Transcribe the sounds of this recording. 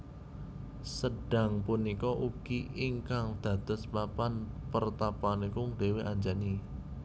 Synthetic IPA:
səɖ̥a̤ŋpunikɔʔuɡ̥iiŋkaŋd̪̥a̤d̪̥əspapanpərt̪apanikʊŋd̪̥e̤weʔaɲd͡ʒani

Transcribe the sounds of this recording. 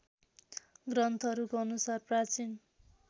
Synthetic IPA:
ɡrʌnt̪ʰʌɾukoʌnusarprat͡sin

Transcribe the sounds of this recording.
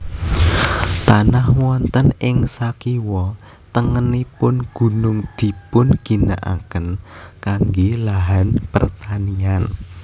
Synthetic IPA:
t̪anahwɔnt̪ənɪŋsakiwɔ | t̪əŋənipʊnɡ̥ṳnʊŋd̪̥i̤pʊnɡ̥i̤naʔa̰kənkaŋɡelaɦanpə̰rt̪anian

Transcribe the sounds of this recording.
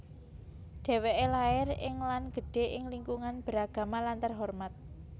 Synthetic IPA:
ɖ̪̥e̤weʔelaɪrɪŋlanɡ̥ə̤ɖ̥e̤ʔɪŋliŋkuŋanb̥ə̤ɾaɡ̥a̤malant̪ərɦɔrmat̪̚

